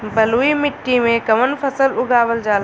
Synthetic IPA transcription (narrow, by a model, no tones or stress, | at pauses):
bɐluːimɪʈːimẽkɐmənpʰɐsəlʊɡaːwəld͡ʒaːl